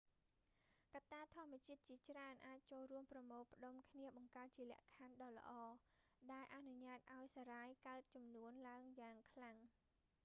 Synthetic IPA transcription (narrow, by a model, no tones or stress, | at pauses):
kat̪ːaːt̪ʰŏəmːɛ̆ət͡ɕiət̪̚t͡ɕiət͡ɕraənʔaːc̚t͡ɕoːlruəmprɑmoːpə̆ɗomkʰniəɓɑŋkaət̪̚t͡ɕiəlɛ̆əʔkʰanɗɑːlə̰̆ʔɑː | ɗaɛlʔanuɲaːt̪̚ʔaɔjsaɾaːjkaət̪̚t͡ɕɑmnuənlaəŋjaːŋkʰlaŋ